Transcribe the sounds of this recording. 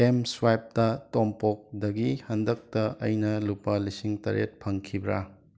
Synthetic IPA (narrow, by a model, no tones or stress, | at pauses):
emswajp̚tɐtompok̚dɐɡihɐndɐk̚tɐʔɐjnɐlupːɐlisiŋtɐ̰ɾḛt̚pʰɐŋkʰibɾa̰